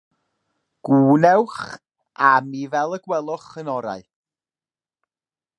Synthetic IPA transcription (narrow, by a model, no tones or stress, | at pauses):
ɡ̥uːnɛwχ | amivɛlˠəɡwɛlˠɔχənɔɾa̰ɨ